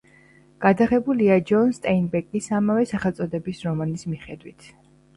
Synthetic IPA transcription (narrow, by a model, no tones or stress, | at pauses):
ɡ̥ad̪aʁɛbuliad͡ʒɔnst̪ʼɛinbɛkʼisamavɛsaχɛlt̪sʼɔd̪ɛbisɾɔmanismiχɛd̪wit̪ʰ